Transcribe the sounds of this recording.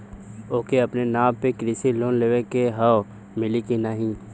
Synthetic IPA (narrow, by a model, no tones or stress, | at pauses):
oːkeɐpnenaːmpekɾisiloːnleːwekeɦaw | mɪlikinaɦĩː